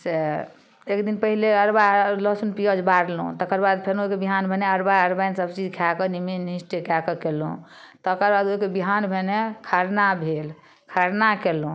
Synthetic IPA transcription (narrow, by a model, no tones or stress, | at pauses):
se | ekd̪inpəɦileəɾbaləsunpijɔd͡ʒbaɾlṵ̃t̪ɔkəɾbad̪pʰeɾnoikebiɦanbʱeneəɾbaəɾbajnsəbt͡ʃid͡ʒkʰakɔnimenisʈekakɔkelṵ̃t̪ɔkəɾbad̪oikebiɦanbʱenekʰaɾnabʱel | kʰaɾnakelũ